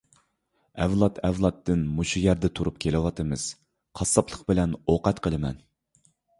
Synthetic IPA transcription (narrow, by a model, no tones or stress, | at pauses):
ɛvlˠɑt̪ʰɛvlˠɑt̪ʰːɨnmuʃujɛɾd̪ɛt̪ʰuɾup̚kʲʰelɪwɑt̪ʰɨmɨz̥ | qʰɑsːɑpʰlˠəqbɪlɛnoqɛt̪qʰəlˠɨmɛ̰n